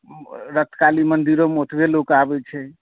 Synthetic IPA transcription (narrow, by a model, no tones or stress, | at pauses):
ɾət̪ʰkalimənd̪iɾomot̪ʰbelokabɛt͡ʃʰɛ